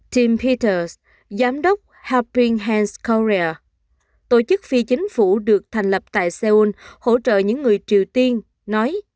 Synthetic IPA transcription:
ti˧mpʰi˧t̪ə˧s | zaː˨˦mɗə˦˥wk͡p̚ha˧pi˧ŋɦa˧nskɔ˧ɹi˧a˧ | t̪o˧˩t͡ɕɨ˦˥k̚fi˧t͡ɕï˨˦ŋ̟fu˧˩ɗɨ˨˩ək̚t̪ʰa˨˩ŋ̟lə˨˩p̚t̪a̰ː˧˨jsɛ˧ʔu˧nho̰˧˩t͡ɕə̰ː˧˨ɲɨ̰˧˥ŋːɨ˨˩əjt͡ɕi˨˩əwt̪i˧ənː | ɔ˨˦j

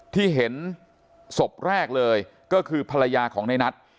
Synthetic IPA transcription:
t̪ʰiː˥˩ɦe˩˦n | so˨˩p̚ɾɛː˥˩k̚lɤː˧jkɔː˥˩kʰɯː˧pʰa˧la˧jaː˧kʰɔː˩˦ŋna˧jna˦˥t̪̚

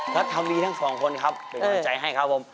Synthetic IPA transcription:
kʰa˦˥t̪ʰːa˧mdiː˧t̪ʰa˦˥˩ŋsɔː˩˦ŋkʰo˧nkʰa˦˥p̚pe˨˩kʰːt͡ɕa˧˩jɦa˥˩jkʰa˦˩p̚ʰːo˧˦m

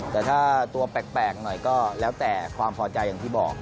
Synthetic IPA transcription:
t̪ɛː˨˩t̪ʰaː˥˩t̪u˧ɐpɛː˨˩k̚pɛː˨˩k̚nɔ˨˩jkɔː˥˩lɛː˦˥wt̪ɛː˨˩kʰwaː˧mpʰɔː˧t͡ɕa˧jːaː˨˩ŋt̪ʰiː˥˩bɔ̰ː˨˩k̚

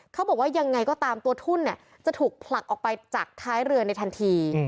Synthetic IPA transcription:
kʰa˦˥bɔː˨˩waː˥˩ja˧ŋːa˧jkɔː˥˩t̪aː˧mt̪u˧ɐt̪ʰu˥˩nːi˥˩ɐ | t͡ɕa˨˩t̪ʰuː˨˩k̚pʰla˨˩k̚ʔɔː˨˩pa˧jt͡ɕaː˨˩k̚t̪ʰaː˦˥jɾɯ˧əna˧jt̪ʰa˧nt̪ʰiː˧

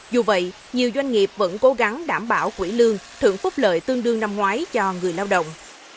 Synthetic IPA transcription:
zu˨˩və̰˧˨j | ɲi˨˩əwzwa˧jŋ̟ŋi˨˩p̚və̰˧˥nko˨˦ɣa˨˦ŋɗaː˧˩mɓaː˧˩wkwḭ˧˩lɨ˧əŋt̪ʰɨ̰˧˨əŋfʊ˦˥k͡p̚ləː˨jt̪ɨ˧ŋɗɨ˧əŋna˧mŋwaː˨˦jt͡ɕɔ˧ŋɨ˨˩əjlaː˧wɗə̰˧˨wŋ͡m

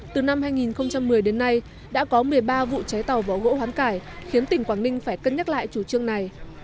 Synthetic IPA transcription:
t̪ɨ˨˩na˧mhɦaː˧jŋi˨˩nxə˧wŋ͡mt͡ɕa˧mːɨ˨˩əjɗe˨˦nːa˧j | ɗa̰ː˧˥kɔ˨˦mɨ˨˩əjɓaː˧vṵ˧˨t͡ɕa˨˦jt̪a˨˩wvaː˨˩wɣo̰˧˥hwaː˨˦nkaː˧˩jxi˨˦ənt̪ï˧˩ŋ̟kwaː˧˩nï˧ŋ̟faː˧˩jkə˧nɲa˦˥t̚la̰ː˧˨jt͡ɕu˧˩t͡ɕɨ˧əŋna˨˩j

